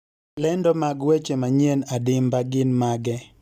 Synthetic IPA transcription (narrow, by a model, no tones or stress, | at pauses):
lɛndɔmaɡwet͡ʃemaɲienadɪmbaɡɪnmaɡɛ